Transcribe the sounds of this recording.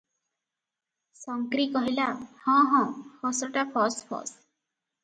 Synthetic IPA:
sɔŋkɾikɔɦilahɔ̃ɦɔ̃hʰɔsɔʈapʰɔspʰɔ̰s

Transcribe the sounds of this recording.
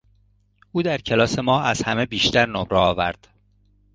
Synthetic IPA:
ʔuːd̪æɾcʰe̞lɒːse̞mɒːæz̥hæme̞biːʃt̪æɾnomɾeɒːvæ̰ɾd̪̥

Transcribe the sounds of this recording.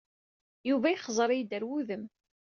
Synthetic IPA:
juvæiχəzˤɾˤijd̪əɾwuðəm

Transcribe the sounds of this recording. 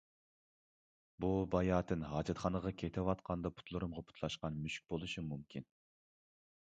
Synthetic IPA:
bubɑjɑːt̪ʰɨnɦɑːd͡ʒɛt̪χɑnəʁɑkʲʰet̪ʰɪwɑt̪qʰɑnd̪ɑpʰu̥t̪ʰlˠuɾumʁɑpʰu̥t̪ʰlˠɑʃqɑnmyʃk̚ʲbolˠuʃɨmumkʲʰin

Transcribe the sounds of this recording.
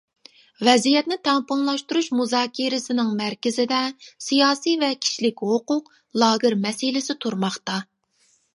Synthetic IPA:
vɛzijɛt̪̚nɪt̪ʰɛŋpʊŋlˠɑʃt̪uɾuʃmuzɑːkʲʰiɾɪsɪnɪŋmæɾkʲɪzɪd̪ɛsijɑːsijvɛkʲʰi̥ʃlɪkʲɦoqʊq | lˠɑːɣɨɾmɛsilɪsɪt̪ʰuɾmɑχt̪ɑ

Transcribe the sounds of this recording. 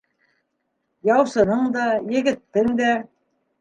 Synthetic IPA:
jɑwsɤ̆nɤɴd̪ɑjɘ̆ɡɘ̆t̪ːɘnd̪æ

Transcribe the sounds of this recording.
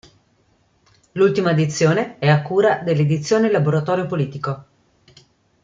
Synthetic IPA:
lult̪imaed̪it̪sːjoːneɛakːuːɾad̪elːed̪it̪sːjoːnelaboɾat̪ɔːɾjopoliːt̪iko

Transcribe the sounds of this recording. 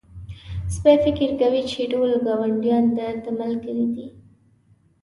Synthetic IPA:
spafɪkɪɾkawit͡ʃeʈolɡɑwaɳɖjɑnd̪ət̪əmalkəɾid̪i

